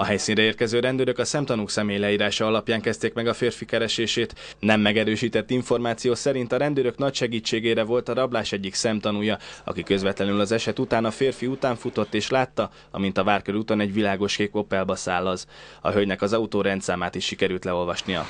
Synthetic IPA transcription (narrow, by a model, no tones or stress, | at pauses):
ɒɦɛjsiːnrɛeːrkɛzøːɾɛnd̪øːɾø̞kɒsɛmt̪ɒnuksɛmeːjlɛiːɾaːʃɒɒlɒpjaːŋkɛst̪eːkmɛɡɒfeːrfikɛɾɛʃeːʃeːt̪ | nɛmːɛɡɛɾøːʃiːt̪ɛt̪ːiɱfo̞rmaːt̪sijoːsɛɾint̪ɒɾɛnd̪øːɾø̞knɒcʃɛɡiːt͡ʃːeːɡeːɾɛvo̞lt̪ɒɾɒblaːʃɛɟːiksɛmt̪ɒnuːjɒɒ̰kikø̞zvɛt̪lɛnylɒzɛʃɛt̪ut̪aːnɒfeːrfiut̪aːɱfut̪o̞t̪ːeːʃlaːt̪ːɒ | ɒ̰mint̪ɒvaːrkøɾut̪oːnɛɟvilaːɡo̞ʃkeːko̞pɛlbɒsaːlːɒzɒ̰ɦøɟnɛkɒzɒut̪oːɾɛnt̪saːmaːt̪iʃːikɛɾylt̪lɛo̞lvɒʃnijɒ̰